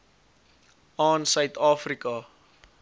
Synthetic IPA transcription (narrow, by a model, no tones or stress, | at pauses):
ɑːnsœɥt̪ɑːfrikɐ